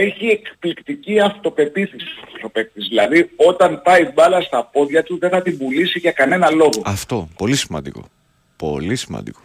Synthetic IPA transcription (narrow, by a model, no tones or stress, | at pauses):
eçie̞kplikt̪iciɐft̪o̞pe̞t̪isisft̪opeθizðilɐðio̞t̪ɐnpɐibɐlɐst̪ɐpo̞ðʝɐt̪uðe̞θɐt̪ibulisiʝɐkɐne̞nɐlo̞ɣo̞ɐft̪o̞polisimɐ̰nd̪iko̞̰ | po̞̰lisimɐ̰nd̪iko